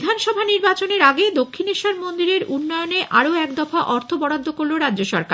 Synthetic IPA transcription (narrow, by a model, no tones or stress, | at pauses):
d̪ʱanʃɔbʱaniɾbat͡ɕoneɾaɡed̪okʰːineʃaɾmond̪iɾeɾunːɔjoneʔaɾoɛkd̪ɔfaʔɔɾt̪ʰobɔɽad̪ʱːokoɾloɾadd͡ʑoʃɔ̰ɾka